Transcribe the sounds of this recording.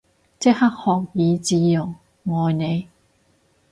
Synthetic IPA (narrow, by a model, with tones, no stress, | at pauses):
t͡sɪ˥k̚hɐ˥k̚hɔː˨k̚jiː˨˧t͡siː˨˧jʊ˨˩ŋ | ŋɔː˨˧jne˨˧j